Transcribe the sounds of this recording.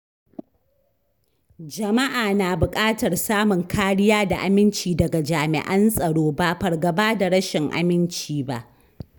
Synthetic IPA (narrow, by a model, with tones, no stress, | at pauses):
d͡ʒɐ˨ma˦ʔaː˨naː˨bʊ˨kʼaː˦tɐ˨rsaː˦mʊ˨ŋkʰaː˦ɽɪ˦jaː˦da˨ʔa˨mɪ˦nt͡ʃiː˨dɐ˨ɡa˨d͡ʒaː˨mɪ̰˨ʔɐ˦nsʼɐ˨ɽoː˦ba˦˨ɸɐ˨rɡɐ˨baː˦da˨ɽɐ˦ʃɪ˨ŋʔa̰˨mɪ˦nt͡ʃiː˨ba̰˦ʔ